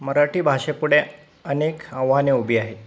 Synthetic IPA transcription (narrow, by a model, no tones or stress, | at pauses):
məɾaʈiːbʱaɕepuɽe | ənekə̃ʋaneubʱiːaɦe